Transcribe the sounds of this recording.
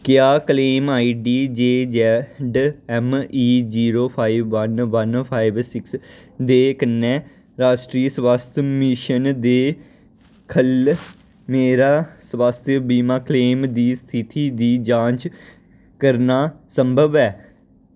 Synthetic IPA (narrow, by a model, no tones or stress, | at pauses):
kjaːkəleːmaːiːɖiːd͡ʒeːd͡ʒɛɖɛmiːd͡ʒiːɾoːpʰaːibʋənʋənpʰaːibsɪksd̪eːkənːɛː | ɾaːʃʈɾiːsʋaːst̪ʰəmɪʃənd̪eː | kʰəl | meːɾaːswaːst̪ʰjəbiːmaːkleːmd̪iːst̪ʰɪt̪ʰiːd̪iːd͡ʒãːnt͡ʃ | kəɾnaːsəmbʱəbɛː